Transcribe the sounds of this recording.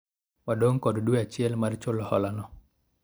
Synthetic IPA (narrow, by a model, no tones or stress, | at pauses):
wadoŋkɔddweat͡ʃɪɛlmart͡ʃolɔhɔ̰lanɔ